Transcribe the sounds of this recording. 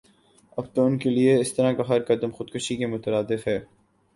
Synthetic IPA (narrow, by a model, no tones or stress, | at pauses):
ɐb̚t̪oʊnkelieɪst̪ɐɾãkaɦɐɾkɐd̪əmxʊd̪kʊʃikemʊt̪əɾaːd̪ɪfɦɛː